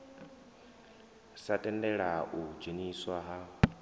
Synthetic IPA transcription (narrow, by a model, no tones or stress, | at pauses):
satʼɛndɛɺaʔud͡ʒeniswaɦa